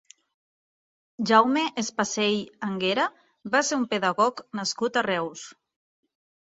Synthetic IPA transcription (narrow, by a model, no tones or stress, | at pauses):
ʒawmeʔespasejaŋɡeɾa | βaseɾumpeðaɣɔknaskut̪arɛws